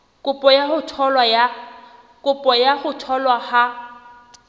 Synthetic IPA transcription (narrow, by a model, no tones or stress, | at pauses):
kʼʊpʼɔjaχʊtʰɔlwaja | kʼʊpʼɔjaχʊtʰɔlwaha